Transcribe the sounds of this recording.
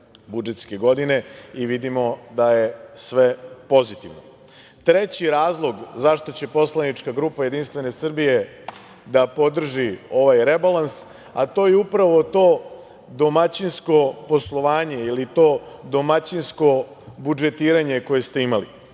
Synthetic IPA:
bud͡ʒet̪ske̞ɡo̞d̪ine̞iʋid̪imo̞d̪ajesʋe̞po̞zit̪iʋno | t̪ɾet͡ɕiɾaːzlˠo̞ɡzaʃt̪o̞t͡ɕe̞po̞slˠanit͡ʃkaɡɾuːpaje̞d̪inst̪ʋe̞ne̞sr̩bije̞ | d̪apo̞d̪r̩ʒio̞ʋajɾe̞balans | a̰t̪o̞ːjeupɾaʋo̞t̪o̞ː | d̪o̞mat͡ɕinsko̞po̞slˠo̞ʋaːɲe̞ilit̪o̞ːd̪o̞mat͡ɕinsko̞ | bud͡ʒe̞t̪iːɾaɲe̞ko̞je̞st̪e̞imalḭ

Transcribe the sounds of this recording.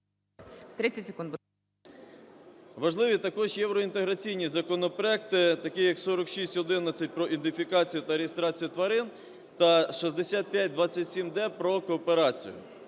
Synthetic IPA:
t̪ɾɪt͡sʲːɐtʲsʲe̥kũnd̪b | ʋɐʒlˠɪʋʲit̪ɐkɔʒjɛwɾɔint̪eɦɾɐt͡sʲijnʲizɐkɔnɔpɾɔɛk̚t̪ɪt̪ɐkɪjɐksɔɾɔkʃisʲtʲɦɔd̪ɪnɐt͡sʲːɐt̚ʲpɾɔʔind̪ɪfʲikɑt͡sʲijʊt̪ɐɾeɦest̪ɾɑt͡sʲijʊt̪ʋɐɾɪn | t̪ɐʃizd̪esʲat̪̚pʲjat̚ʲd̪ʋɑt͡sʲːɐtʲsʲimd̪ɛpɾɔkɔːpeɾɑt͡sʲḭjʊ̰

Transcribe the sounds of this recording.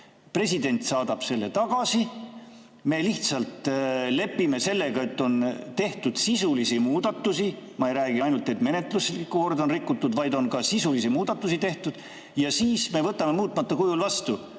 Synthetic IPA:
pre̞sid̪e̞nʲt̪sɑːd̪̥ɑb̥se̞lːe̞t̪ɑɡ̥ɑsi | me̞ːliht̪sɑlt̪le̞pːime̞se̞lːe̞ɡ̥ɑe̞t̪ːo̞nt̪e̞ht̪ud̪̥sisulisimuːd̪̥ɑt̪ːusimɑe̞jɾæːɡ̥iɑjnult̪ːˑe̞t̪me̞ne̞t̪luslikːuko̞rd̪o̞nrikːˑut̪ːud̪̥vɑjd̪o̞nkɑsisulisimuːd̪̥ɑt̪ːˑusit̪e̞ht̪ud̪̥ | jɑsiːsme̞vɤt̪ːˑɑme̞muːt̪ːˑmɑt̪ːɑkujulvɑst̪u

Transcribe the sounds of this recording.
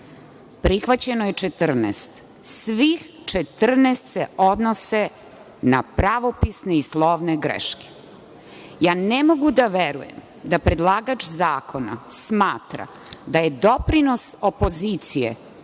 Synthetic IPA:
pɾixʋat͡ɕenojet͡ʂet̪r̩nɛ̰st̪ | sʋix | t͡ʃet̪r̩nest̪seod̪nose | napɾaʋo̞pisneislˠoʋneɡɾḛʃke̥ | jaːnemo̞ɡud̪aʋeɾṵjem | d̪apɾed̪laːɡat͡ʃzaːkʰo̞na̰smaːt̪ɾa̰ | d̪ajed̪o̞pɾino̞sopo̞ziːt̪sijḛ

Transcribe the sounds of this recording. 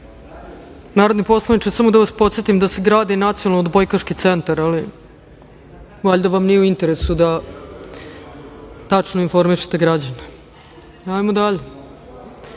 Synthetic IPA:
naːɾod̪nipo̞slˠanit͡ʃesamod̪aʋaspo̞t̪set̪imd̪aseɡɾaːd̪inat̪sionaod̪bojkaʃkit̪sent̪aɾali | ʋaʎʲd̪aʋamnijeuint̪eɾesud̪a | t̪at͡ʂnoinfo̞ɾmiʃe̥t̪eɡɾad͡ʑane | ajmod̪aʎe

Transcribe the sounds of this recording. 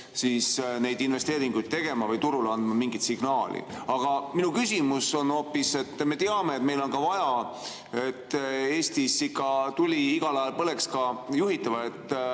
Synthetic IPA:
siːsne̞jd̪̥inve̞st̪e̞ːɾiŋɡ̥ujd̪̥̚t̪e̞ɡ̥e̞mɑvɤjt̪uɾulɑnd̪̥mɑmiŋɡ̥it̪siɡ̥nɑːlḭɑɡ̥ɑminukysimuso̞no̞ːpːˑise̞t̪ːme̞t̪eɑme̞ːt̪me̞jlo̞nkɑvɑjɑ | e̞t̪ːe̞ːst̪isikːˑɑt̪ulʲiiɡ̥ɑlɑjɑlpɤle̞kskɑjuɦit̪ːˑɑvɑe̞t̪ːˑ

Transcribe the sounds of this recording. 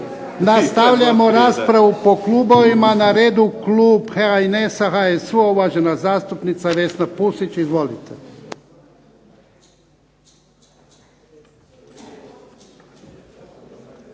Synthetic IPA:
nast̪aʋʎamo̞ɾaːspɾaʋupo̞klˠuːbo̞ʋimanaɾe̞ːd̪ukluːpxeainesaxajesuoʋaʒenazaːst̪upnit̪saʋe̞snapusit͡ʃizʋo̞lit̪e

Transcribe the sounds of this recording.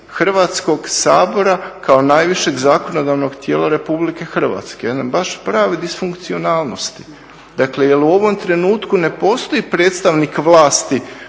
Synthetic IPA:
xr̩ʋat̪sko̞ɡsa̰ːbo̞ɾakao̞najʋiʃe̞ɡzaːkono̞d̪aʋno̞ɡt̪je̞ːlˠaɾe̞publike̞xr̩ʋa̰t̪skejed̪ambaʃpɾaːʋid̪isfuŋkt̪sio̞naːlˠno̞st̪i̥ | d̪aklejeluo̞ʋo̞mt̪ɾe̞nuːt̪kune̞po̞ːst̪o̞ipɾe̞ːt̪st̪aʋnikʋlˠaːst̪i

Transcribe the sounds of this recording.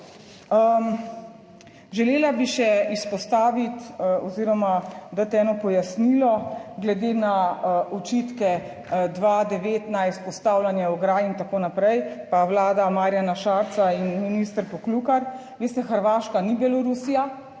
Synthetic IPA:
ə | ʒɛleːlabiʃɛispɔst̪aːʋit̪ɔziːɾɔmad̪at̪ɛːnɔpɔjasnilɔɡlɛd̪eːnaɔt͡ʃit̪kɛ | d̪ʋaːd̪ɛʋeːt̪najispɔst̪aːwlanjɛɔɡɾaːjint̪akoːnapɾɛjpawlaːd̪amaːɾjanaʃaːɾt͡ssainminist̪ɾpɔklukaɾ | ʋist̪ɛxəɾʋaːʃkanibɛlɔɾusija

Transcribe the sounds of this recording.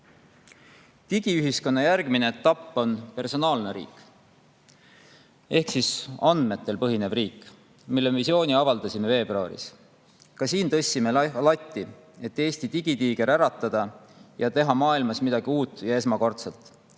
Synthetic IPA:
t̪iɡ̥iyɦisko̞nːɑjærɡ̥mineet̪ːɑpːo̞npe̞rso̞nɑːlneɾḭːk | e̞hksisɑnd̪̥me̞t̪ːe̞lpɤɦine̞briːkːˑ | milːemevisio̞ːniɑvɑld̪̥ɑsʲime̞ve̞ːbroɑ̰ɾḭs | kɑsiːnt̪ɤ̞sʲːime̞lɑt̪ʲˑːi | e̞t̪ːe̞ːst̪it̪iɡ̥it̪iːɡ̥eɾæɾɑt̪ːˑɑd̪̥ɑjɑt̪e̞ɦɑmɑːilmɑsmid̪̥ɑɡ̥iuːt̪ːˑjɑe̞s̬mɑko̞rt̪selt̪ːˑ

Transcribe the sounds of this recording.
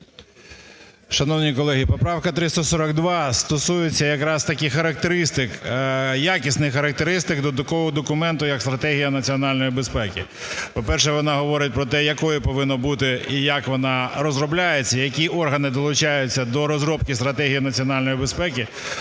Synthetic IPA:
ʃɐnɔʋnʲikɔlˠɛɦʲipɔpɾɑwkɐt̪ɾɪst̪ɔsɔɾɐɡ̚d̪ʋɑst̪ɔsujet͡sʲːɐjɐkɾɑst̪ɐkʲɪxɐɾɐk̚t̪eɾɪst̪ɪkjakʲisnɪxxɐɾɐk̚t̪eɾɪst̪ɪɡd̪ɔd̪ɔkɔɦɔd̪ɔkʊmɛnt̪ʊjɐkst̪ɾɐt̪ɛɦʲijɐnɐt͡sʲiɔnɑlʲnɔjibespɛkʲɪ | pɔpɛrʃ̬ɛʋɔnɑɦɔʋɔɾɪt̚ʲpɾɔt̪ɛjɐkɔjɪpɔʋɪnːɔbut̪ɪijɐkʋɔnɑɾɔzɾɔblʲajet͡sʲːɐjɐkʲiʔɔrɦɐnɪd̪ɔlˠʊt͡ʃajʊt͡sʲːɐd̪ɔɾɔzɾɔp̚kʲist̪ɾɐt̪ɛɦʲijinɐt͡sʲiɔnɑlʲnɔjibespɛkʲɪ

